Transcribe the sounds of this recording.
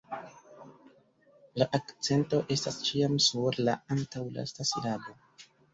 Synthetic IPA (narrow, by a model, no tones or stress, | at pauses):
laʔakt͡se̞nto̞ʔe̞stast͡ʃiamsuɾla̰antawla̰stasilado̞